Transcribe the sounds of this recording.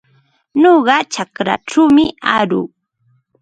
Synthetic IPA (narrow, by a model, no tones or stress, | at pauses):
noɢɑt͡ʃakɾa̰ʈ͡ʂawmɪaɾʊ̰ŋ